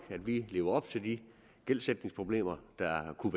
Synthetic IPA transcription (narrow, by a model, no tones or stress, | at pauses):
ɡ̥æd̥ʋile̝ːʊɐɒ̽b̥t͡sʰe̝ld̥i | ɡ̥el̰sed̥ne̝ŋspʰʁo̝b̥le̝̰ːmɐd̥ɑ̈kʰuʋe